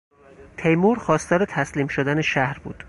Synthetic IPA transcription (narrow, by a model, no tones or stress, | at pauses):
t̪ʰejmuɾxɒːst̪ɒːɾe̞t̪ʰæsliːmʃod̪æneʃæhɾbṵːd̪̥